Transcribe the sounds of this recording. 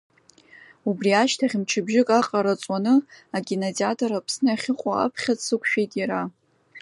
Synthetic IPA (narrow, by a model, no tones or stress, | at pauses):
ubriaʃtʰaχʲɪmt͡ʃʰɪbʒɪkʼaqʼaɾat͡sʼwanɨaɡʲinaziatʰʼoɾapʰsnɨaχʲɪqʷʼaa̰pʰχʲatʼsɨkʷʰʃᶣejtʼjaɾa